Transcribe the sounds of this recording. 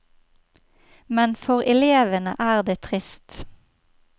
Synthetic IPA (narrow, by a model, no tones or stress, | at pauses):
mɛnfɔʁɛleːʋənə̰ʔæːʁd̪eːt̪ʰʁɪst̪